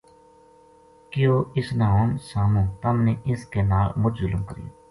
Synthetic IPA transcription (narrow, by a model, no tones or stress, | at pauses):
kɪjoːɪsnaːoːnsaːmõːt̪əmneːʔɪskeːnaːlmʊd͡ʒzʊlmkəɾḭː